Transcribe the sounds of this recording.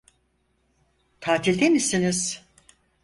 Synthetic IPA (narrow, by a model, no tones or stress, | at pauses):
t̪ʰaːt̪ʰilʲd̪emisiniz̥